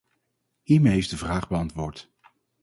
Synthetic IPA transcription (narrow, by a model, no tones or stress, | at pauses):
hiːɹmejɦefdəvraːχbəɑntʋʊːɹt